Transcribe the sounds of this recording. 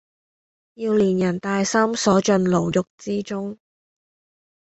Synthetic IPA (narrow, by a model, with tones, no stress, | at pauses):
jiː˧wliː˨˩njɐ˨˩nt̪aː˧jsɐ˥msɔː˨˥t͡ʃɵ˧nlo˨˩wjʊ˨k̚t͡siː˥t͡sʊ˥ŋ